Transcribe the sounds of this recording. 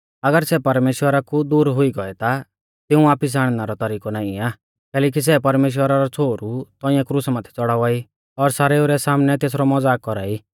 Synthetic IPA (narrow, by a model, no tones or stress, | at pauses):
ɐɡəɾsɛpɐɾmeːʃwəɾakud̪uːɾɦʊiɡɔɛt̪a | t̪ɪũaːpis̬aːɽ̃naɾɔt̪aɾiːkɔnaːiaː | kɛːlɛːk̬is̬ɛpɐɾmeːʃ̬wəɾaɾɔt͡sʰoːɾut̪ɔĩjɛ̃kɾusmãːt̪ʰɛ̥t͡sɔɽaːʋaːi | ɔɾsaːɾeuɾɛsaːmnɛt̪eːs̬ɾɔmɔd͡zaːkkːɔɾa̰ːi